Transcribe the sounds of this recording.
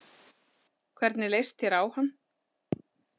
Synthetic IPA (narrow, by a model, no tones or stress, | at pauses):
kʰvɛɾt̪nɪlejst̪ɛɾaːwhanː